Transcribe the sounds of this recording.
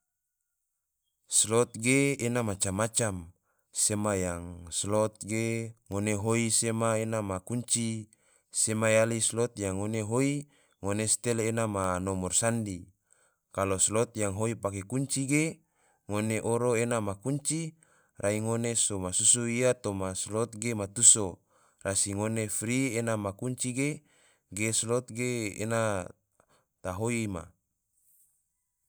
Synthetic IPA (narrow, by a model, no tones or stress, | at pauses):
slɔt̪̚ɡeːnamat͡ʃamːat͡ʃam | semajaŋslot̪̚ɡeŋoneɦoisemaenamakuɲt͡ʃi | semajalislot̪jaŋːoneɦoi | ŋonest̪ɛlenamanomɔrsandi | kaloslot̪jaŋɦoipakekuɲt͡ʃiɡe | ŋoneʔoɾoenamakuɲt͡ʃi | rʔaiŋonesomasusuiat̪omaslot̪̚ɡemat̪uso | rasiŋonefɾienamakuɲt͡ʃiɡe | ɡeslɔt̪̚ɡeḛna | t̪aɦoima̰